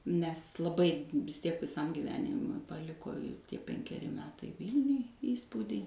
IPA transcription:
nʲɛs lˠɐˈbɐɪ ʋʲɪs ˈtʲiɛk ʋʲɪˈsɐm ɡʲiːˈʋʲæːnʲɪmʊɪ pɐˈlʲɪkoː ɪ ˈtʲiɛ pʲɛŋʲkʲɛˈrʲɪ ˈmʲæːtɐɪ ˈʋʲiːlʲnʲʊj ˈiːspuːdʲiː

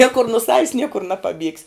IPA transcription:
ˈnʲiɛkʊr nʊ ˈsɑːʋʲɪs ˈnʲiɛkʊr nɐpɐˈbʲiɛksʲ

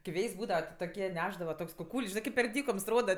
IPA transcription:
kʲɪ ˈʋʲeːjsʲ ˈbuːdɐʋɐ tʲɪ toːˈkʲiɛ ˈnʲæːʒdɐʋɐ ˈtoːks kʊˈkuːlʲsʲ ˈʒʲɪnɜ kʲɪp pʲɛr ˈdʲiːkoːms ˈroːdɐ

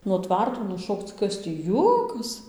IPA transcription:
nuɔ ˈtʋɐrtoː nʊˈʃoːkt͡s ˈkɐs tʲiː ˈjuɔkɐs

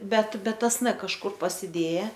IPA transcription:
ˈbʲɛt ˈbʲɛt ˈtɐs n kɐʃˈkʊr pɐsʲɪˈdʲeːjɛ

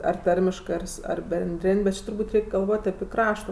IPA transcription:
ɐr ˈtɐrʲmʲɪʃkɜ ɐr ˈsʊ ɐr bʲɛnʲˈdʲrʲɪnʲ bʲɛt ˈt͡ʃʲɪ tʊrˈbuːtʲ ˈrʲɛɪkʲ ɡɐlˠˈʋoːtʲ ɐpʲɪ ˈkrɑːʃtoː

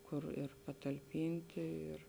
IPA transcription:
ˈkʊr ɪr pɐtɐlʲˈpʲɪnʲtʲɪ ɪr

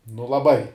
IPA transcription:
nʊ lˠɐˈbɐɪ

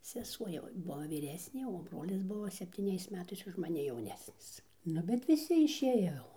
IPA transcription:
sʲɛˈsuɔ jɛʊ ˈbuɔ ʋʲiːˈrʲæːsʲnʲeː oː ˈbroːlʲɪs ˈbʊʋoː sʲɛpʲtʲiːˈnʲɛɪs ˈmʲæːtɐɪs ʊʃ mɐˈnʲɪ jɛʊˈnʲæːsʲnʲɪs ˈnʊ bʲɛt ʋʲɪˈsʲɪ ɪʃʲˈeːjoː jɛʊ

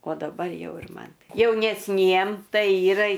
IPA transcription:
oː dɐˈbɐr ˈjɛʊ ɪr ˈmɐn jɛʊnʲɛsʲˈnʲiɛm ˈtɐɪ ˈiːrɐ ɪ

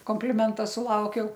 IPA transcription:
koːmʲpʲlʲɪˈmʲɛntɐ sʊˈlˠɐʊkʲɛʊ

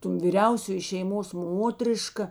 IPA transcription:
toːn ʋʲiːˈrʲɛʊsʲoːjɪ ʃʲɛɪˈmoːs ˈmoːtʲrʲɪʃkɐ

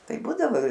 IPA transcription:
ˈtɐɪ ˈbuːdɐʋoː

